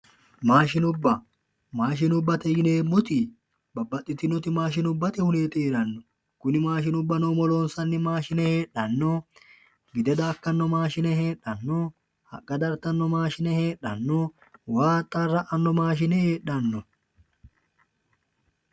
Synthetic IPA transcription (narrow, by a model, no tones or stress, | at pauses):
maːʃɪnʊbːɐ | maːʃ̬ɪnʊbːɐt̪ɛjɪneːmːʊt̪ɪ | bɐbːɐt̪ʼːɪt̪ːɪnːɔt̪ɪmaːʃ̬ɪnʊbːɐt̪ɪhʊneːt̪ʼeːɾɐnːɔ | kʊnɪmaːʃ̬ɪnʊbːɐnoːmɔloːnsɐnːɪmaːʃɪnɛheːɗːɐnːoː | ɡɪd̪ɛd̪aːkːɐnːɔmaːʃɪnɛɦe̞ːᶑːɐnːoː | hɐ̰kʼːɐd̪ɐɾt̪ɐnːɔmaːʃɪnɛhe̞ːᶑːɐnːoː | waːt̪ʼːɐrːɐʔɐnːɔmaːʃ̬ɪnɛhe̞ːɗɐnːɔ